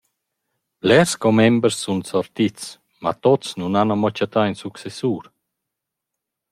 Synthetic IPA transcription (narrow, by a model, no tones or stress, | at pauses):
plɛɾskɔmɛmbəɾsːunsɔɾt̪it͡s | ma̰t̪ɔt͡snunanamɔt͡ʃat̪ainsuksɛsuːɾ